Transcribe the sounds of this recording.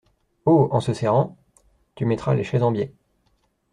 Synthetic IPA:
oɑ̃səsɛʁɑ̃ | t̪ymɛt̪χaleʃɛzɑ̃bje

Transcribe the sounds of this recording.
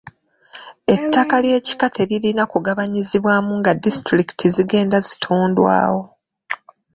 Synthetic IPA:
e̞tːakalje̞ːci̥katʰe̞ɾiɾinakuɡaβaɲiziβwaːmuŋɡadistɾiki̥tʰiziɡe̞ːndazitʰuːndwa̰ːwo̞

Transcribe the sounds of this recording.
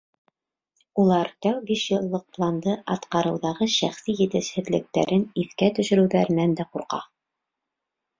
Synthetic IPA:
ulˠɑɾt̪æwbiʃjɤ̆lˠːɤq̚plˠɑnd̪ɤʔɑt̪qɑɾɤ̆wðɑʁɤʃæχsijɘ̆t̪ɘ̆ʃhɘ̆ðlɘ̆k̚t̪æ̰ɾɘniθkæt̪ɵ̆ʃɵ̆ɾɘ̆wðæɾɘ̆nænd̪æquɾqɑ̰

